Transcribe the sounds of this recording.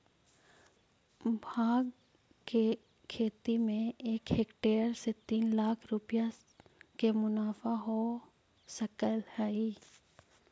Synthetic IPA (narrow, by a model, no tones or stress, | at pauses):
bʱaːɡ | ke | kʰeːt̪imẽeːkɦeːkʈeːəɾset̪iːnlaːkʰɾʊpja | kemʊnaːfaɦo | səkəlhɛi